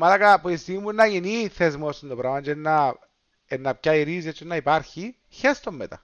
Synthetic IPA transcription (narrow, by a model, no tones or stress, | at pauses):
mɐlɐkɐpuist̪iimːunːɐʝiniθezmost̪ːind̪opɾavmɐt͡ʃeenːɐ | enːɐpcaiɾiz̬jɐt͡ʃːenːɐipɐɾçi | çest̪omːet̪ɐ̰